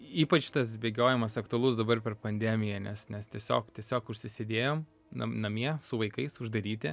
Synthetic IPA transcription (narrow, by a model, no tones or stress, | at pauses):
iːpɐt͡ʃt̪ɐs̬bʲeːɡʲoːjɛmɐsɐkt̪ʊɐlˠʊsd̪ɐbɐrpʲɛrpɐnʲd̪ʲæːmʲɪjɛnʲɛsnʲɛst̪ʲiɛsʲo̰ːkt̪ʲiɛsʲoːkʊʃʲsʲɪsʲed̪ʲeːjoːm | nɐ̰nɐmʲiɛsʊʋɐɪkɐɪsʊʒd̪ɐɾʲiːt̪ʲɪ